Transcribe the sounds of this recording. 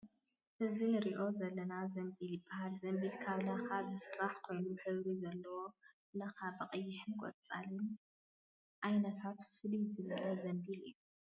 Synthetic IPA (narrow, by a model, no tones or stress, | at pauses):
ʔɨzinɨɾiʔo̞zɐlːɐnazɐmbilibahalzɐmbilkʰaβlaxazɨsɨɾaħkʰo̞jnuħɨβɾizɐlːɐwo̞ | laxabɨqʼɨjːɪħɨnkʼɔ̰t͡sʼa̰lɨn | ʔajnɐt̪ʰat̪fɨlizɨβɨlɐzɐmbilɨ̰jːu